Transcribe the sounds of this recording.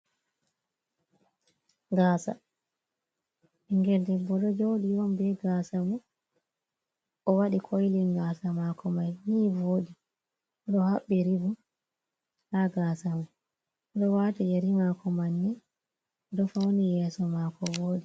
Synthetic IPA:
ŋɡaːsa̰ | iŋɡɛldɛbɔɗɔd͡ʒowɗiwɔnbɛɡasamu | ʔɔwaɗikʰojliŋɡasamakɔmajniːvoːɗi | ɔɗɔhaɓːiɾibu | haɡaːsamu | ɗɔwaːtijeɾimakɔmanːi | dɔfawnijɛsɔmakɔvoːɗi

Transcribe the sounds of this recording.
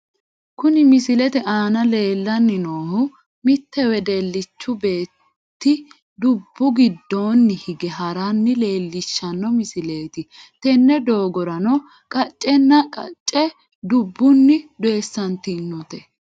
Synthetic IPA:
kʊnɪmɪsɪlɛt̪ɛʔaːnɐle̞ːlːɐnːɪnoːhʊ | mɪt̪ːɛwɛd̪ɛlːɪt͡ʃːʊbe̞ː | t̪ːɪ | d̪ʊbːʊɡɪd̪ːo̞ːnːɪhɪɡɛɦɐɾanːɪle̞ːlːɪʃːɐnːɔmɪsɪleːt̪ɪt̪ɛnːɛd̪o̞ːɡɔɾɐnɔ | kʼɐt͡ʃʼːɛnːɐkʼɐ̰t͡ʃʼːɛ | d̪ʊbːʊnːɪd̪e̞ːsːɐnt̪ɪnːut̪ɛ

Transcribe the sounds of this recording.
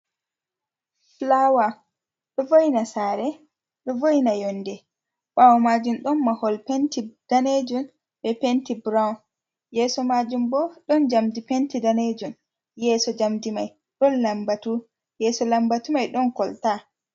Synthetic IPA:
flawa | ɗɔvojnasaɾɛ | ɗɔvojnajɔnːdɛ | ɓawɔmaːd͡ʒumɗɔnmahɔlpentid̥aned͡ʒun | bɛpentibɾawn | jɛsɔmaːd͡ʒumbɔɗɔnd͡ʒamdipentidaned͡ʒun | jɛːsɔd͡ʒamdimaj | ɗɔnlambatu | jɛːsɔlambatumajɗɔnkɔlta

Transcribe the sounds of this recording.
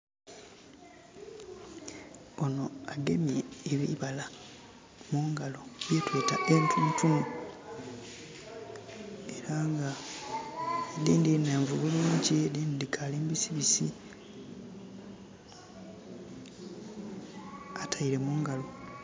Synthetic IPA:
o̞no̞aɡemieːβḭβala | muːŋɡalo̞βjetweːtae̞ntʰunutunu | eɾaŋɡa | diːndineːɱvuβuluːɲcidiːndidikʰaliːmbisiβisi | atʰaiɾe̞muːŋɡalo̞

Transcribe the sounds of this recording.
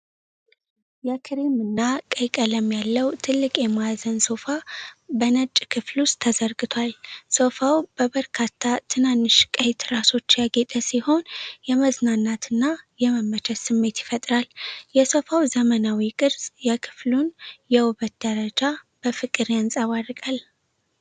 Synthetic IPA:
jɛkʰɨɾimɨnːakʼəjkʼələmjalːəwt̪ʰɨlːɨkʼjɛmazənso̞fabənət͡ʃʼːkʰɨflust̪ʰːəzəɾɡɨt̪ʰwalso̞fawb̥əβəɾkʰat̪ʰːat̪ʰɨnanːɨʃkʼəjt̪ɾaso̞t͡ʃːjaɡe̞t̪ʼəsiho̞njɛməznanːat̪ʰɨnːajɛməmːət͡ʃʰɛt̪sɨmːe̞t̪jɪfət̪ʼɾaljɛso̞fawzəmənawikʼɨɾzʼjɛkʰɨ̥flunjɛwʊβət̪̚d̪əɾəd͡ʒa | b̥əfɨkʼɨɾjansʼəβarkʼal

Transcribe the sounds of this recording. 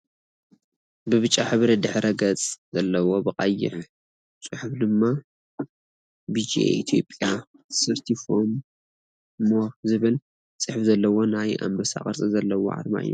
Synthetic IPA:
bɨβɨt͡ʃʼːaħɨβɾid̪ɨħɾɐɡɐt͡sʼzɐlːɐwo̞bɨqʼajːɪ̰ħ | t͡sʼɨħufd̪ɨmːa | bid͡ʒiḛʔit̪ʰjopʼjḁ | sɨɾt̪ʰifom | mozɨβɨl | t͡sʼɨħfzɐlːɐwo̞naja̰mbɐsa̰χʼɐɾt͡sʼɨzɐlːɐwo̰ʕa̰ɾma̰ʔɨ̰jːu

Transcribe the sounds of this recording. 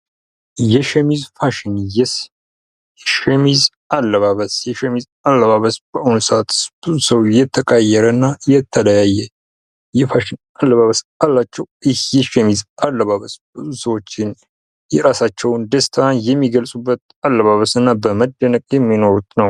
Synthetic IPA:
jɛʃɛmizfaʃɪnjɛs | jɛʃɛmiz | alːəβaβəsjɛʃɛmiz | alːəβaβəsb̥əʔonsat̪ɨ̥sb̥ɨzusəwjɛt̪ʰːəkʼajːɛɾənːajɛt̪ʰːələjajːɛ | jɛfaʃɪn | alːəβaβəsalːat͡ʃːɛwɪhjɛʃɛmizalːəβaβəsbɨzusəwo̞t͡ʃːɪn | jɛɾasat͡ʃːɛwnd̪əst̪ʰanjɛmːiɡəlsʼubːət̪̚ | alːəβaβəsɨnːabəməd̪ːənəkʼjɛmːino̞ɾut̪nəw

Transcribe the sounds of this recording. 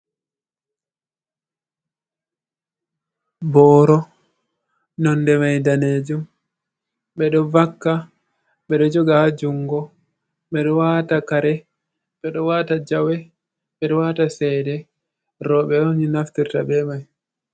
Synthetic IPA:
bɔːɾɔ | nɔndɛmajdaned͡ʒum | ɓɛɗɔvakːa | ɓɛɗɔd͡ʒɔɡahad͡ʒuŋɡɔ | ɓɛɗɔwatakaɾɛ | ɓɛɗɔwatad͡ʒawɛ | ɓɛɗɔwatasɛdɛ | ɾɔɓɛoɲinaftiɾtaɓɛmaj

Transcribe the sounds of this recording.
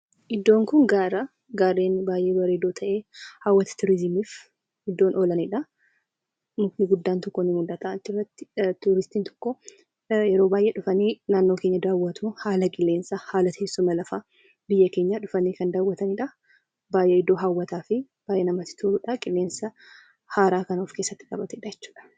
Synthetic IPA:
ʔɪd̪ːo̞ːŋkʊŋɡaːɾɐ | ɡaːɾːeːnbaːjʔeːbɐɾeːd̪oːt̪ʰɐʔeːhaːwːɐt̪ɐ̥t̪ʊɾɪzɪmiːf | ɪd̪ːoːnʔoːlɐnɪᶑɐ | nʊknɪɡʊd̪ːaːnt̪ɔkːonɪmʊld̪ɐt̪ɐʔɐt̪ːɪrːɐt̪ːɪ̥t̪uːɾɪst̪iːnt̪ʰɔ̥kːɔ | jɛɾoːbaːjʔeᶑʊfɐniːnaːnːo̞ːkeɲːɐd̪aːwːɐt̪uhaːlɐkʼɪlːe̞ːnsɐhaːlɐt̪eːsːʊmɐlɐfaː | bɪjːɐkeːɲːaᶑʊfɐniːkɐnd̪aːwːɐt̪ɐnɪᶑɐ | baːjʔɛɪd̪ːo̞ːɦawːɐt̪aːfɪ | b̥aːjʔɛnɐmɐt̪ɪ̥t̪ʰuɾᶑakʼɪlːe̞ːnsɐ | haːɾaːkɐnoːfke̞ːsːɐt̪ːɪ̥kʼɐbɐt̪ɛɪᶑɐjɛt͡ʃːu̥ːᶑɐ̥

